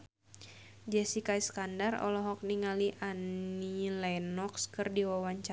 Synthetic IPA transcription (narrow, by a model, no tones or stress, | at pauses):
d͡ʒɛsikaiskandarɔ̰lɔɦɔk̚niŋaliʔanilajnɔkskɨrdiwawaɲt͡ʃa